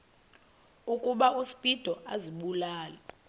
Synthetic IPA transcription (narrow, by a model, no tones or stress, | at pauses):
ukʼuɓausi̥pʼid̥ʱɔʔaziɓulaːlɛ